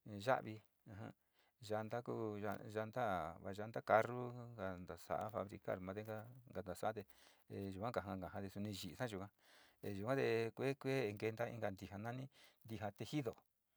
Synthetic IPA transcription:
ʒa̰˦ʔβi˧ | ã˧ɦã̰˧ | ʒa˧nd̪a˦ku˦ʒa˧ʒa˧nd̪a˦βa̰˧ʒa˧nd̪a˦ka˧ru˦ŋɡa˧nd̪a˨sa̰˨ʔa̰˦fa̰˧βɾḭ˧ka̰˦ɾmã˧d̪e˧˦ŋɡa˦ŋɡa˨nd̪a˨sa˨˦t̪e˧˨˧ | ʒu˨kʷã˦ka˨ɦã˧ɡã˨ɦã˧t̪e˧su˧nĩ˧ʒi˨ʔsã˦ʒu˧kʷã˦ | e˧ʒu˨kʷã˦t̪e˧kʷe˦kʷe˦˧ŋɡe˧nd̪a˦ḭ˧ŋɡa˧˨nd̪i˧ɦa˧nã˦nĩ˦nd̪i˧ɦa˧t̪e˧hi˦ðo˨

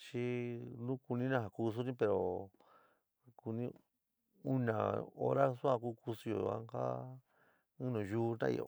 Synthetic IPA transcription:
t͡ʃi˦nũ˦ku˧nĩ˦nã˦ɦa˨ku˧s̬u˦nĩ˦pe˧ɾo˨ | ku˧nĩ˦ | u˦nã̰˨o˦ɾa˦su˦ã˧kuː˦ku˧su˧jo̰˨˧a̰˦ŋka̰˦ | ɨ̃˦nũ˨juː˦˧t̪ã̰˦ḭ˧jo̰˨

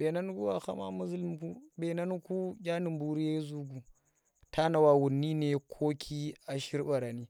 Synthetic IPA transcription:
be˨na˦n˦ku˦wa˨xa̰˦ma̰˦mu˦zi˦lm˦ku˦ɓe˨na˦n˦ku˦ɡʲa˦ni˨mbu˨ɾi˦je˦zu˦ɡu˨ | tʰa˦na˨wa˨wu˨nːi˦ne˨kʰo˦kʲʰi˦a˨ʃi˦ɾba˨ɾa˨ni˦

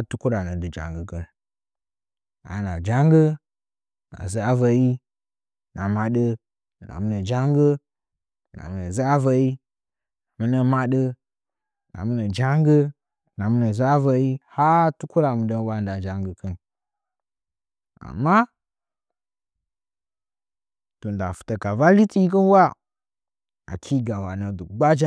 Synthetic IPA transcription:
tu˦ku˦ɾa˨nə˨dɨ˨d͡ʒa̰˨ŋɡə˦ɡə˨l | a̰˨na˨d͡ʒa˦ŋɡə˦˨ | na̰˨zə˦a˦və˨ji˦ | na˨ma˨ɗə˦˨ | na̰˨mu˦nə˨d͡ʒa˦ŋɡə˦˨ | na̰˨mu˦nə˨zə˦a˦və˨ji˦˨ | mə˦nə˦ma˦ɗə˦˨ | na̰˨mu˦nə˨d͡ʒa˦ŋɡə˦˨ | na˨mu˦nə˨za˦və˨ji˦ha˦tu˦ku˦la˨mu˨də˨˦n˦wa˨˦n˦da˨d͡ʒa˨ŋɡə˨kə˦n | a̰˨mːa˦ | to˨n̩˨da˨fu̥˨tə˨ka˨va˦li˦ti˦i˦k̬ə˦n˦wa˦ | a̰˨kʰi˦ɡa˨wa˨nə˨du˨ɡ͡ba˦d͡ʒa˦

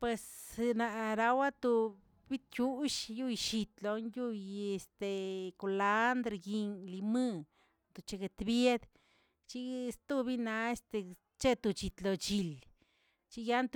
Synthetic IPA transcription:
pwe˨sna˨˧ɾa˧wa˦t̪u˧ | bi˦t̪̚kʲu˦ʃju˦jʃi˧t̪lo˧nju˦je˧st̪e˨ko˨˧la˦nd̪ɾe˧ɡi˧nli˧mɨ˧ | nd̪o˨t͡ʃe˧ɡe˨t̪bje˦d̪ | t͡ʃi˦st̪u˧bi˦na˧e˧st̪e˧˨ | t͡ʃe˦t̪u˧˨t͡ʃi˨t̪lo˨t͡ʃi˧l | t͡ʃi˦ja˦nt̪

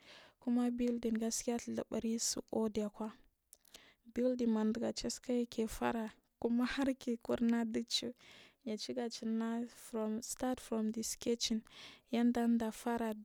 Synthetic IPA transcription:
ku˦ma˦bi˦ldi˨nɡa˨ski˦a˦tla̰˨ba˨ɾi˦sṵ˨ʔo˦di˨a˨kʷa˦ | bi˦ldi˨ma˨ndə˨ɡa˨t͡ʃe˦ska˦ja˦kʰe˨fa̰˦ɾa˨ | ku˦ma˦ha˦ɾki˨kṵ˦ɾna˦du˦t͡ʃu˦ja˨t͡ʃi˦ɡa˨t͡ʃi˨na˦fɾo˨msta˦tfɾo˨mdi˨ske˦t͡ʃi˨nja˦nda˦nda˨fa˦ɾa˨

